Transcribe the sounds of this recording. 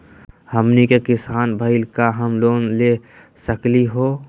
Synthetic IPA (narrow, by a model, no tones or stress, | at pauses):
həmnikekɪsaːnbʱəɪlkaɦəmloːnle | səkliɦoː